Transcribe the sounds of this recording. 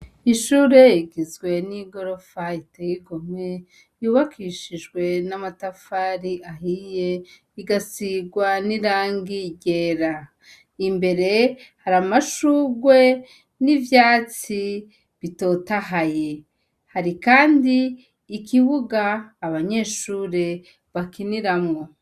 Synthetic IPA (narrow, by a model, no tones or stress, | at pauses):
iʃuɾe̞iɡizɡwe̞niɡo̞ɾo̞faiteɡiɡo̞me̞ | juːβakʰiːʃiʒɡwe̞namatafaɾiʔaɦije̞ | iɡasiɡwaniɾaːŋɡiɟeːɾa | imbe̞ɾe̞haɾamaʃuɡwe̞ | nivjaːt͡si | βito̞ːtaɦaje̞ | haɾikaːndiː | kiβuɡaːβaɲe̞ːʃuːɾe̞ | βakiniɾamŋo̞